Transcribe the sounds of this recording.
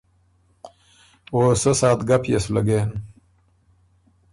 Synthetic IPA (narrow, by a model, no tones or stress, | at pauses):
oːsosaːt̪ɡapjesulaɡeːn